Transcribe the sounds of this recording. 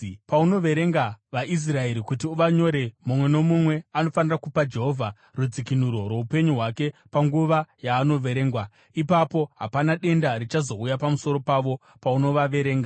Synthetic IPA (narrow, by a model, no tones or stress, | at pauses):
pauno̞ʋe̞ɾe̞ŋɡaʋaʔis̬rae̞ɾikutiuʋaɲo̞ɾe̞mumwe̞no̞mumwe̞ano̞fanirakupad͡ʒe̞ɦo̞vʱa | rud͡zikinuɾo̞rwe̞upe̞ɲuɦwake̞paŋɡuʋajaːno̞ʋe̞ɾe̞ːŋɡwa | ipapo̞ɦa̰panaɗe̞ndaɾit͡ʃazo̞ujapamuso̞ɾo̞paʋo̞ | pauno̞ʋaʋe̞ɾe̞ːŋɡa